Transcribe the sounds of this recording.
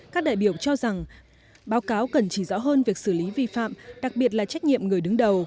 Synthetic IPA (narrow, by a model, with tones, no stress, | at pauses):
kaː˦˥k̚ɗa̰ː˧˨jɓi˧˩əwt͡ɕɔ˧za˨˩ŋ | ɓaː˨˦wkaː˨˦wkə˨˩nt͡ɕi˧˩zɔ̰˧˥ɦəː˧nvi˨˩ək̚sɨ˧˩li˨˦vi˧˩fa̰ː˧˨mɗa˨˩k̚ɓi˨˩ət̬̚laː˨˩t͡ɕa˦˥k̟̚ɲḭ˧˨əmŋɨ˨˩əjɗɨ˨˦ŋɗə˨˩w